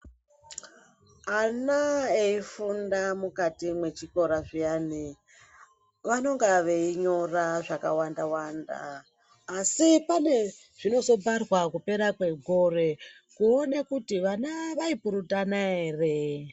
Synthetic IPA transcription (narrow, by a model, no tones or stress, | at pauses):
anaeifundamukatimwe̞t͡ʃiko̞ɾaʐijani | ʋano̞ŋɡaʋeiɲo̞raʐakawandawanda̰ː | sipane̞ | ʐ̥ino̞zo̞bʱarwakupe̞ɾakwe̞ɡʱore̞ | kuonekutiʋanaʋaipuɾutanaeːre